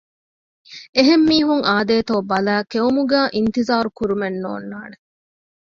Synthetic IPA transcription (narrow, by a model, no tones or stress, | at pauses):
eɦemːiːɦuŋʔaːd̪eːt̪oːbɐlæːkeumuɡæːʔint̪izaːɾukuɾumenːo̰ːnːaːne